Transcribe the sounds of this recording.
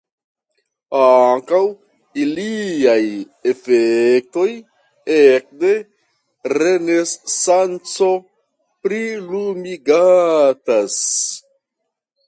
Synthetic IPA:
aŋkaw | iliaj | e̞fek̚to̞j | ek̚de̞ | ɾe̞ne̞ssant͡so̞ | pɾilumiɡatas

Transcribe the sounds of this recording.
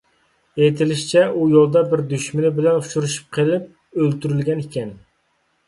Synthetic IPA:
et̪ʰɪlɪʃi̥t͡ʃʰɛʔujolˠd̪ɑbɪɾd̪yʃmɪnɪbɪlɛnuʃʰuɾuʃu̥p̚qʰelˠɪp̚ | ølt̪yɾylɡʲɛnikʲʰɛn

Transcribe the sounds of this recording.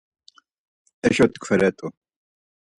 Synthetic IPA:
ɛɕɔt̪kfɛɾɛt̪u

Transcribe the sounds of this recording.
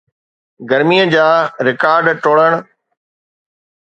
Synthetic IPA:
ɡɐɾmiːəd͡ʑaːɾɪkaːɾɖʈoːɽəɽ̃

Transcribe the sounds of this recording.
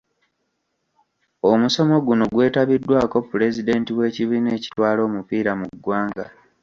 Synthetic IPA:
o̞muso̞mo̞ɡuno̞ɡwe̞ːtaβidːwaːko̞pːule̞zide̞ːntiwe̞ːciβiːne̞ːci̥twaːlo̞ːmupiːɾamuɡːwaːŋɡa

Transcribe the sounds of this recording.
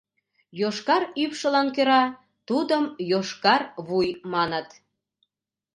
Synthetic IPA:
joʃkɑɾypʃə̆lɑnkeɾɑ | t̪ud̪əmjoʃkɑrβujmɑnət̪

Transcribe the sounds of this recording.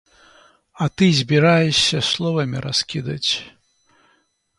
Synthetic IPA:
ɐt̪ɨzʲbʲiɾajɛʂʲːɐslˠɔvɐmʲḭɾʔaskʲid̪ɐt͡sʲ

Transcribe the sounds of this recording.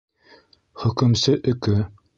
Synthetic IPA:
χɵ̆kɵ̆msɘʔɵ̆kɵɘ

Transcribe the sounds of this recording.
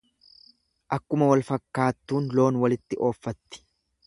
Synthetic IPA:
ʔɐkːʊmɐwɐlfɐkːaːt̪ːuːnlo̞ːnwɐlɪt̪ːɪʔo̞ːfːɐt̪ːɪ̥

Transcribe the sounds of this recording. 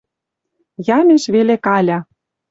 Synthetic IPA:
jɑmeʃβelekɑlʲɑ

